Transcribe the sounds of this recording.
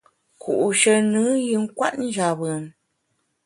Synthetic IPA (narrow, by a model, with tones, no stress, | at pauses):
ku˨ʔʃə˨nɨ˨˦ji˨˦ŋ̩˦kwa̰˦ʔn̩˦d͡ʒa˨bə˨m